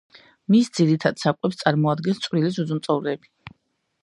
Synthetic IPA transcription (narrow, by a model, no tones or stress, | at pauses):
misd̪z̥iɾit̪ʰad̪̥sakʼɛpst̪sʼaɾmɔad̪ɡɛnst̪sʼvɾilis̬ud̪zumt̪sʼɔvlɛːbi